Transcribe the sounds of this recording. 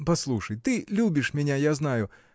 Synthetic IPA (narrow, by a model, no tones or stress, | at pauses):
pɐslˠuʂɐjt̪ɨlʲubʲɪʂmʲɛnʲajaznajʊ